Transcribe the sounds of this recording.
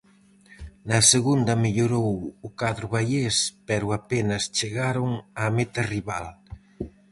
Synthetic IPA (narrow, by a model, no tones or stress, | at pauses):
nɐseɣund̪ɐmeʎoɾowʊkaðɾʊβajespɛɾʊapenɐst͡ʃeɣaɾʊŋamet̪ɐriβal